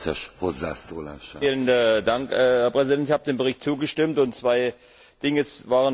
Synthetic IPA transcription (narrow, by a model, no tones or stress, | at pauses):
sɛ̰ʃhozːaːsoːlaːʃaiːlənədaŋkɛhɛɐpʁ̥ɛzidɛntɪçhaːbədeːnbəʁɪçt̚t͡suːɡəʃtɪmtʊntt͡sv̥aɪ | d̥ɪŋəsvaːʁən